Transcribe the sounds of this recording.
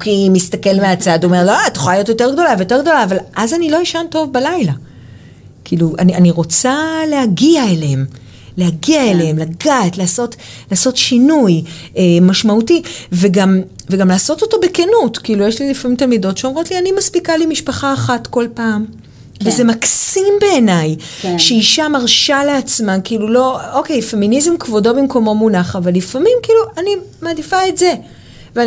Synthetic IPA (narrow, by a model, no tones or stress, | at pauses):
kimist̪ake̞lmeat͡sad̪oome̞ʁlot̪ːu̥χolajo̞tjo̞te̞ʁɡdo̞lavejote̞ʁɡd̪o̞laːvalʔazanilo̞jiʃanto̞vbalajla | kʰiːluʔa̰nianiʁo̞t͡salehaɡiaeleem | lehaɡiaeleemlaɡaːtlaːso̞tlaːso̞tʃinujʔemaʃmautiveɡamveɡamlaːso̞to̞to̞bekenutkiiːlujeʃlilifamimt̬almido̞tʃeomʁo̞tlianimaspikalimiʃpaχaːχatko̞lpaːm | vezemaksimbe̞ːnajʃeiʃamaʁʃaleat͡smankiilulo̞oke̞jfe̞minizemkvo̞do̞bimko̞mo̞munaχavalːifamimkiːluʔanimaːdifaetze̞ | ve